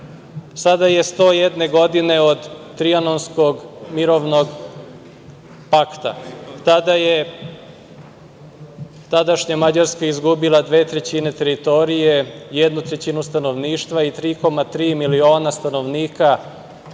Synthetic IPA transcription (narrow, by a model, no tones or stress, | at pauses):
sad̪aje̞st̪o̞ːjed̪ne̞ɡo̞d̪ine̞od̪ː | ɾianonskoɡmiɾo̞ʋno̞ɡ | pakt̪a̰t̪ad̪aje | t̪ad̪aʃɲamad͡ʑaɾskaizɡubilˠad̪ʋe̞ːt̪ɾe̞t͡ɕine̞t̪e̞ɾit̪o̞ɾije̞jed̪nut̪ɾet͡ɕinust̪ano̞ʋniːʃt̪ʋait̪ɾiːko̞mat̪ɾiːmilio̞ːnast̪ano̞ʋniːka